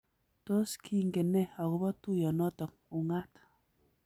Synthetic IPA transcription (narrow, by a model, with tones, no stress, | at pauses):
to˦skʰi˦ŋ̩˨ɡe˨ne˦ɔ˨ɣu˨bɔ˦tu˦˨jɔ˨nɔ˦tɔ˨k̚ | u˨ŋa˦t